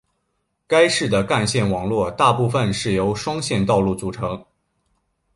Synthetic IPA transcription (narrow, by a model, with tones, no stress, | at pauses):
ka˥ɪʂɻ̩˥˩d̪ə˩ka˥˧nɕjɛ˥˩nwɑ˨˩ŋlwɔ˥˧t̪a˥˧pu˥˩fə˨nʂɻ̩˥˩jo˧˥ʊʂwɑ˥ŋɕjɛ˥˧nt̪ɑ˥˧ʊlu˥˩t͡su˨˩ʈ͡ʂʰɤ˧˥ŋ